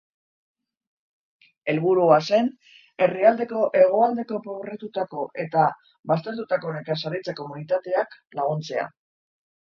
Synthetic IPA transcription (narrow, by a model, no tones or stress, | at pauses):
e̞lβuɾuase̞n | e̞riald̪e̞ko̞ʔe̞ɣ̞o̞ald̪e̞ko̞pɾo̞ɣɾe̞t̪ut̪ako̞ʔe̞t̪a | βas̬t̪e̞ɾt̪ut̪ako̞nekasaɾit͡sako̞munit̪at̪e̞aklaɣ̞unt͡se̞a̰